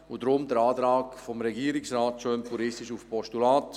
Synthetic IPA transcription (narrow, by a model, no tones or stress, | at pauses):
ʊdɾʊmdəɾaːtɾaːkfɔmɾɛɡiːɾɪksraːtʃøːmpʰuɾɪstɪʃufpɔʃtulaːt